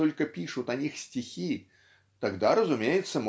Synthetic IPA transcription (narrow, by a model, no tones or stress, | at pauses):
ɔlʲkɐpʲiʂʊt̪ɐnʲixsʲt͡sʲixʲi | t̪aɡd̪aɾəzʊmʲejɪt̪sːəm